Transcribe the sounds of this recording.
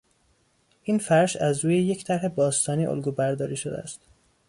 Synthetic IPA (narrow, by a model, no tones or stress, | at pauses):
ʔiːnfæɾʃæzɾuːjeje̞cʰt̪ʰæɾɦe̞bɒːst̪ɒːniːʔo̰lɡuːbæɾd̪ɒːɾiːʃo̞d̪ḛæ̰st̪